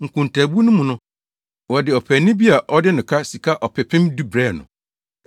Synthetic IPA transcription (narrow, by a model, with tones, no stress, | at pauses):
ŋ̩˨kʰʊ̃˨n˨tʰæ˨bu˦nʊ̃˦mũ˨nʊ̃˦ | wɔ˨dɪ˨ɔ˨pʰɛ˨nɪ̃˦bi˦a˨ʔɔ˦dɪ˦nʊ̃˨kʰa˦si˨kʰa˦ʔɔ˨pʰɛ˨pʰɪ̃˦mdu˦bɾɛː˦˨nʊ̰̃˨